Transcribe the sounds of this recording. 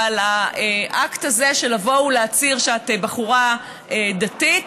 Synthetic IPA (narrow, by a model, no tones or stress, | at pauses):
alaeʔaktazeʃe̞lavo̞wuleat͡siʁʃat̪ebaχuʁa | ed̪atit